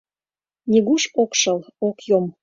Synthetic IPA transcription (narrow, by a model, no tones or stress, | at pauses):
nʲiɣuʃokʃəlokjom